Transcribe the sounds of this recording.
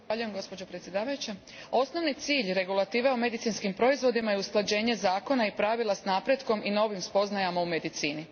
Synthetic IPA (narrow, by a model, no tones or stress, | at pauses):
aʎujemɡo̞spo̞d͡ʑopɾet̪sje̞d̪aːʋajut͡ɕe | o̞sno̞ʋnit̪siːʎɾe̞ɡulˠat̪iːʋeome̞d̪it̪sinskimpɾo̞izʋo̞d̪imajeusklˠad͡ʑe̞ːɲe̞zaːko̞naipɾaʋilˠasnaːpɾe̞d̪ko̞mʔino̞ʋimspo̞znajamaume̞d̪it̪siːni